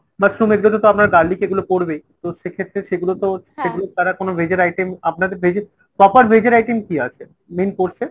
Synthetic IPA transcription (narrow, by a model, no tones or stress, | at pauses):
masɾumeɡulot̪ot̪oapnaɾɡaɾlikeɡulopoɾbejt̪oʃekʰet̪ːɾeʃeɡulot̪oʃeɡulot̪aɾakonobʱed͡ʑeɾajʈemap̚nad̪eɾbʱed͡ʑe | pɾɔpaɾbʱed͡ʑeɾajʈemkiat͡ɕʰe | menkoɾt͡ɕʰe